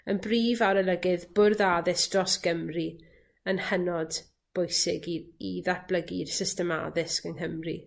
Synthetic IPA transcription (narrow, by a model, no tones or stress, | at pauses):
ənbriːvaɾəlˠəɡɪðb̥ʊrðaðɪsd̥rɔsɡ̥əmri | ənhənɔd | b̥ɔjsɪɡiiðab̥lˠəɡirsɪstəma̰ðɪskənɦəmri